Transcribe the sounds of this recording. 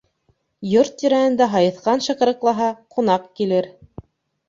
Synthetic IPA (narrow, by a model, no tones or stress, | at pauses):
joɾt̪ːiɾæhɘ̆nd̪æɦɑjɤ̆θqɑnʃɤ̆qɤ̆ɾɤ̆qlˠɑɦɑqunɑqkilɘɾ